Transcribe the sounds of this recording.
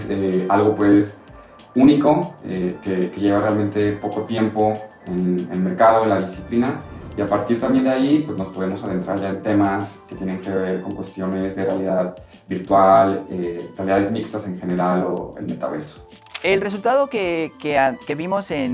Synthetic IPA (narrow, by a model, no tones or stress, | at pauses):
sealɣo̞pwe̞s | unikoekeke̞ʝe̞βarealmẽ̞nt̪e̞po̞ko̞t̪je̞mpo̞enḛlme̞ɾkað̞o̞enlaðisiplinaiapaɾt̪iɾt̪ambje̞nd̪eaipwe̞zno̞spo̞ð̞e̞mo̞saðe̞nt̪ɾa̰ɾʝaent̪e̞maske̞t̪je̞nẽ̞ŋke̞βe̞ɾko̞ŋkwe̞st̪jo̞ne̞zðerealiðað | biɾt̪walerealiðaðe̞zmikst̪ase̞ŋxe̞ne̞ɾalo̰ḛlme̞t̪a̰βḛso̥ | elres̬ult̪aðokekeakeβimo̞sen